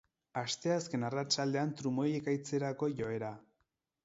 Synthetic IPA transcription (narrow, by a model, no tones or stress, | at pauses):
ast̪e̞aske̞narat͡ʃald̪e̞ant̪ɾumo̞jekajt͡se̞ɾako̞ʝo̞e̞ɾa